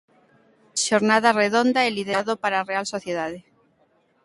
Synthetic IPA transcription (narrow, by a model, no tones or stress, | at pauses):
ʃoɾnað̞areðond̪aeliðeðopaɾarealsoθjeð̞aðe